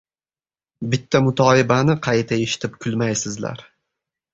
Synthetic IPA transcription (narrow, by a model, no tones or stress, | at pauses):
bɪt̪ʰːamʊt̪ʰɒɪbanɪqʰɑjt̪ʰaeʃɪ̥t̪ʰɪp̚kʰʊlˠmajsɪzla̰ɾ